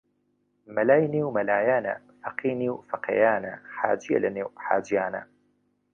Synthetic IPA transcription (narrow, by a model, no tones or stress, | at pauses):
mɐlaːjniwmɐlaːjaːnɐ̰ | fɐqiːniwfɐqʰḛːjaːnɐ̰ħa̰ːd͡ʒijɐ̰lɐneːwħa̰ːd͡ʒijaːnɐ̰